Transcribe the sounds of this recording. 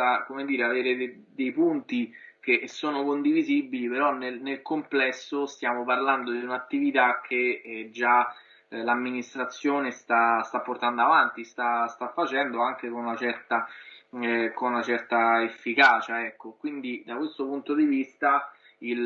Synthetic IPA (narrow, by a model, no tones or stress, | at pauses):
akomed̪iːɾeaveːɾed̪e | d̪ejpunt̪ik̟esːoːnokond̪ivizibːilipeɾɔnːelnelkomplɛsːost̪jaːmoparland̪od̪iunat̪ːivit̪ak̟ʰːed͡ʒa | lamːinist̪ɾat̪sːjoːnest̪ast̪apːort̪and̪oavant̪ist̪ast̪afːat͡ʃɛnd̪oaŋk̟ekonunat͡ʃɛrt̪a | konunat͡ʃɛrt̪aefːikaːt͡ʃaɛkːokwind̪id̪akwest̪opunt̪od̪ivist̪a | il